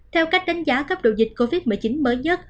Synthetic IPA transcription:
t̪ʰɛ˧wka˦˥jk̚ɗa˨˦jŋ̟zaː˨˦kə˦˥p̚ɗo̰˧˨zï˨˩k̟̚ko˧vi˦˥t̚mɨ˨˩˨jt͡ɕi˨˦nməː˨˦jɲə˦˥t̚

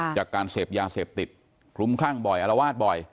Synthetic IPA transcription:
t͡ɕaː˨˩kːaː˧nseː˨˩p̚jaː˧seː˨˩p̚t̪i˨˩t̪̚ | kʰlu˦˥˦mkʰlaː˥˩ŋbɔ˨˩jʔa˧la˧waː˥˩t̪̚bɔ˨˩j

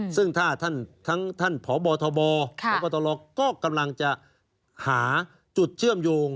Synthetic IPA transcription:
sɯ˥˩ŋt̪ʰaː˥˩t̪ʰa˥˩nt̪ʰa˦˥ŋt̪ʰa˥˩npʰɔː˨˦bɔː˧t̪ʰɔː˧bɔː˧ɔ˨˦bɔː˧t̪ʰɔː˧lɔː˧˩kːɔː˥˩ka˧mla˧ŋt͡ɕa˨˩ | haː˩˦ | t͡ɕu˨˩t̪̚t͡ɕʰɯ˥˩əmjoː˧ŋ

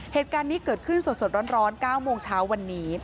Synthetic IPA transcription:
heː˨˩t̪̚kaː˧nːiː˦˥kɤː˨˩t̪̚kʰɯ˥˩nso˨˩t̪̚so˨˩t̪̚ɾɔː˦˥nɾɔː˦˥nkaː˥˩wmoː˧ŋt͡ɕʰaː˦˥wːa˧nːiː˦˥

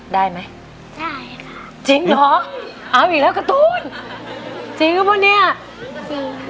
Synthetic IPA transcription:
daː˥˩jma˦˥j | t͡ɕi˨˦ŋlɔ˨˦˥ʔa˧˩wʔiː˨˩k̚lɛː˦˥wka˧˩t̪uː˧˥n | t͡ɕi˧˦ŋkɔ˦˥pʰɔ˧˥ni˦˥˩ɐ˧

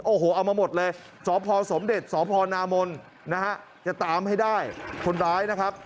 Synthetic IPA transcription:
ʔoː˧˩ɦoː˨˩ʔa˧wmaː˧mo˨˩t̪̚lɤː˧j | sɔː˩˦pʰɔː˧so˩˦mde˨˩t̪̚sɔː˩˦pʰɔː˧naː˧mo˧nː | a˦˥ha˦˥ʔ | t͡ɕa˨˩t̪aː˧mha˥˩jdaː˥˩jkʰo˧nɾaː˦˥jna˦˥kʰa˦˥p̚

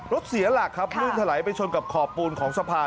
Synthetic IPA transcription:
ɾo˦˥t̪̚si˨˩˦ɐlaː˨˩kʰːa˦˥pʰlɯː˥˩nt̪ʰa˧la˩˦jpa˧jt͡ɕʰo˧nka˨˩p̚kʰɔː˨˩pːuː˧nkʰɔː˩˦ŋsa˧pʰaː˧

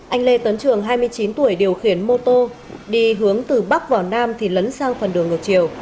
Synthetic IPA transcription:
ʔa˧jŋ̟le˧t̪ə˨˦nt͡ɕɨ˧˩əŋɦaː˧jmɨ˧əjt͡ɕi˨˦nt̪u˧˩əjɗi˨˩əwxi˧˩ənmo˧t̪o˧ | ɗi˧ɦɨ˨˦əŋt̪ɨ˨˩ɓa˦˥k̚vaː˨˩wnaː˧mt̪ʰi˨˩lə˨˦nsaː˧ŋfə˨˩nɗɨ˨˩əŋɨ˨˩k̚t͡ɕi˨˩˨əw

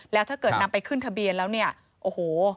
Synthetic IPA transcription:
lɛː˦˥wt̪ʰaː˥˩kɤː˨˩t̪̚na˦˥mpa˧jkʰɯ˥˩nt̪ʰa˧bi˧ənlɛː˦˥wni˥˩ɐ | ʔoː˧˩hoː˨˩

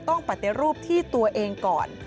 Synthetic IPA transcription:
t̪ɔ˥˩ŋpa˨˩t̪ːi˨˩ɾuː˥˩p̚t̪ʰiː˥˩t̪u˧ɐʔeː˧ŋkɔ̰ː˨˩n

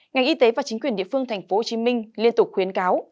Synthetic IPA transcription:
ŋa˨˩jŋ̟ʔi˧t̪e˨˦vaː˨˩t͡ɕï˨˦ŋ̟kwi˨˩ənɗḭ˧˨əfɨ˧əŋt̪ʰa˨˩ŋ̟fo˨˦ho˨˩t͡ɕi˨˦mï˧ŋ̟li˧ənt̪ʊ˨˩k͡p̚xwi˨˦ənkaː˨˦w

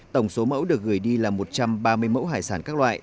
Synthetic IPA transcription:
t̪ə˧˩wŋ͡mso˨˦mə̰˧˥wɗɨ˨˩ək̚ɣɨ˨˧˩əjɗi˧laː˨˩mo˨˩t̚t͡ɕa˧mɓaː˧mɨ˧əjmə̰˧˥wɦaː˧˩jsaː˧˩nkaː˦˥k̚lwa̰ː˧˨jʔ

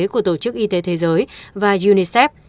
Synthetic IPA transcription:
ku˧˩ət̪o˧˩t͡ɕɨ˦˥k̚ʔi˧t̪e˨˦t̪ʰe˨˦zəː˨˦jvaː˨˩zu˧ni˧sɛ˦˥p̚

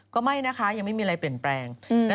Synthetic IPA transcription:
kɔː˥˩ma˥˩jna˦˥kʰa˦˥ja˧ŋma˥˩jmiː˧a˧ɾa˧jpli˨˩ənplɛː˧ŋlɛ˦˥

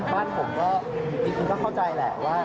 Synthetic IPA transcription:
baː˥˩npʰo˨˩˦m̚kɔː˥˩˦ | t͡ɕiː˧kʰu˧nkɔː˥˩kʰa˥˩wt͡ɕa˧jlɛ̰˨˩ʔwaː˥˩

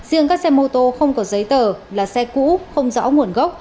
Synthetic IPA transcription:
zɨ̰˧əŋkaː˦˥k̚sɛ˧mo˧t̪o˧xə˧wŋ͡mkɔ˨˦zə˨˦jt̪əː˨˩laː˨˩sɛ˧kṵ˧˥xə˧wŋ͡mzɔ̰˧˥ŋu˨˩ənɣə˦˥wk͡p̚

